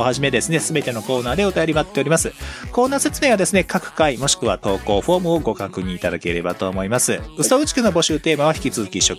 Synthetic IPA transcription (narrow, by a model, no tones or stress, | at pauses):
ohaʑime̞d̪e̞sɨne̞sɨbe̞t̪e̞no̞ko̞ːnaːd̪e̞o̞t̪ajoɾimat̪ːe̞o̞ɾʲimasɨko̞ːnaːse̞t͡sɨnẽ̞βad̪e̞sɨne̞kʰakɯ̟̥kaimo̞ɕi̥kɯ̟βa̰t̪o̞ːko̞ːɸo̞ːmɯ̟o̞ɡo̞kakɯ̟ɲ̟ĩːt̪ad̪akeɾe̞̰bat̪o̞ːmo̞imasɨɯ̟soɯ̟t͡ɕi̥kɯnobo̞ɕɨːt̪e̞ːmaβ̞açi̥kʲit͡sɨzɨkʲiɕːo̞kɯ̥